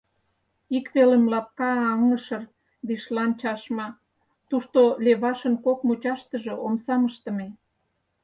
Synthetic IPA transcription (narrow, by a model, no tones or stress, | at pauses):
ikβelemlɑp̚kɑːŋəʃər | βiʃlɑnt͡ɕɑʃmɑ | t̪uʃt̪oleβɑʃənkokmut͡ɕɑʃt̪əʒĕomsɑməʃt̪ə̆me